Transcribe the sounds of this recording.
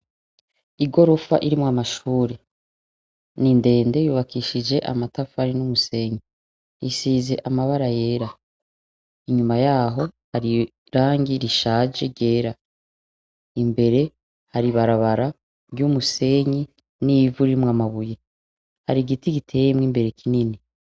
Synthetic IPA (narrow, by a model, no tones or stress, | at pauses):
iɡo̞ɾo̞fa̰ʔiɾimwaːmaʃuːɾe | ninde̞ːnde̞juːβakiːʃid͡ʒe̞ʔamatafaɾinumuse̞ːɲi | isiːze̞ʔamaβaɾaje̞ːɾa | iɲumajaːɦo̞haɾi | ɾaːŋɡiɾiʃaːd͡ʒeɾɟe̞ːɾa | imbe̞ɾe̞ | haɾiβaɾaβaɾa | ɾɟuːmuse̞ɲi | nivuɾiɾimwaːmaβuje̞ | haɾiɡitiɡitʰe̞ːjemŋiːmbe̞ɾe̞kinini